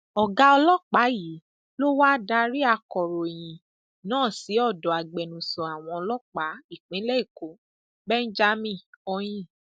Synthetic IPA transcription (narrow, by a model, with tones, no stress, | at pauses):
ɔ˨ɡa˧˦ɔ˧lɔ˦k͡pa˨˦ji˨˦ | lo˦wa˦da˧ɾi˦a˧kɔ˨ɾo˨j̃ĩ˨ | nãː˦˨si˨˦ɔ˦˨dɔ˨a˨ɡ͡bɛ˨nũ˨sɔ̃˨a˨w̃ɔ̃˧ɔ˧lɔ˦k͡pa˨˦i˦˨k͡pĩ˨˦lɛ˦i˦˨ko˨˦ | bɛ˦n̩˦d͡ʒa˧mĩ˧˨ɔ˧j̃ĩ˦